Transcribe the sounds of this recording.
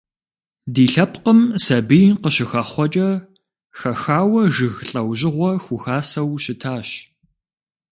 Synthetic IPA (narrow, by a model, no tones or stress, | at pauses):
diːɬɐpqəmsɐbijqəɕɪxɐχʷɔt͡ʃʼɐ | xɐxaːwɐʒɨɣɬʼɐwʑɪʁʷɔxʷʊxaːsɐwɕɪtʰaːɕ